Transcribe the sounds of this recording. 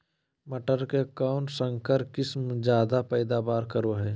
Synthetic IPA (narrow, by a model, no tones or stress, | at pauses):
məʈəɾkekaːʊɳʈsə̃ŋkəɾkɪsmd͡ʒjaːd̪apɛːd̪aːbaːɾkəɾoɦɛː